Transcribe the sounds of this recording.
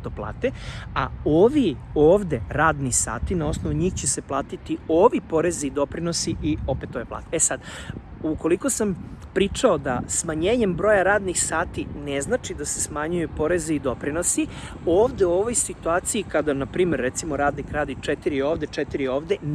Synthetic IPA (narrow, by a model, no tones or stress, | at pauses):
t̪oplˠa̰ːt̪ea̰oʋioːʋd̪eɾaːd̪nisa̰ːt̪inao̞snoʋuɲiːxt͡ɕese̞plˠaːt̪it̪ioːʋipo̞ɾe̞ziːd̪o̞pɾinosiʔio̞pet̪ːoʋeplˠa̰ːt̪eesad̪ | uko̞liko̞sam | pɾit͡ʂao̞d̪a̰smaɲeːɲe̞mbɾojaɾaːd̪nixsaːt̪ineznaːt͡ʃid̪ase̞̥smaɲujupo̞ɾe̞zeid̪o̞pɾino̞si | oːʋd̪e̞uoʋo̞jsit̪uaːt̪sijikad̪anapɾiːmeɾːet̪simo̞ɾaːd̪nikɾaːd̪it͡ʂɛt̪iɾio̞ːʋd̪e̞t͡ʂɛt̪iɾioːʋd̪e